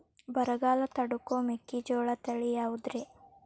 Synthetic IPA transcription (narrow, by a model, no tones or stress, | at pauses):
bɐɾɐɡaːlɐt̪ɐɽukoːmekːid͡ʒɔːɭɐt̪ɐɭijaːwud̪ɾe